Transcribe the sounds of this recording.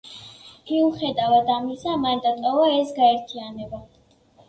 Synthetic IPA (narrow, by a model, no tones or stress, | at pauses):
miuχɛd̪avad̪amisamand̪at̪ʼɔvaɛsɡaɛɾt̪ʰianɛba